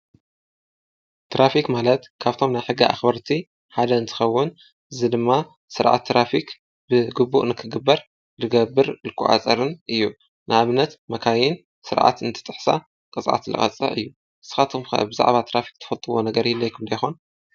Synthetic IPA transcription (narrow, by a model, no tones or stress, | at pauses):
t̪ʰɾafikmalɐt̪kʰaβt̪ʰo̞mnajħɨɡːɨa̰xbɐɾt̪ʰi | ħad̪ɐɨnt̪ʰɨ̥xɐwːʊn | ʔɨzɨd̪ɨmːa | sɨɾʕa̰t̪ʰːɾafik | bɨɡɨbːṵʔnɨkʰɨɡɨbːɐɾ | lɨɡɐbɨɾlɨkʰːṵʔa̰t͡sʼɐɾɨnʔɨjːu | nʔɨaβnɐt̪mɐkʰajɪn | sɨɾʕa̰t̪ɨnt̪ʰɨ̥t̪ʼɨħsa̰ | kʼɨt͡sʼʕa̰t̪lɨ̰χʼɐ̰t͡sʼɐ̰ʔɨ̰jːu | ɨsɨ̥xat̪ʰumxɐ̰ʔbɨza̰ʕβat̪ʰɾafi̥k̚t̪ʰɐ̥fɐlt̪ʼɨwo̞nɐɡɐɾjilːɐjkʰɨmd̪ɐjxon